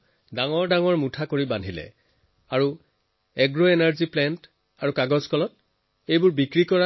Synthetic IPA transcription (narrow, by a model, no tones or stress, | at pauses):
daŋɔɹdaŋɔɹmutʰakoɹibandʱilɛ̰ | aɹu | ɛɡɹoenaɹziplɛnt | aɹukaɡɔzkʰɔlɔt̚ | ejbʊɹbikɹikɔɹa